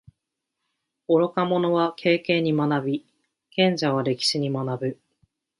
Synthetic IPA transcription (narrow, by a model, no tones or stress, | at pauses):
o̞ɾo̞kamo̞no̞βakʰe̞ːkẽ̞ɲ̟ːimanabʲi | kẽ̞ɲ̟d͡ʑaβ̞aɾe̞kʲi̥ɕiɲ̟imanabɯ̟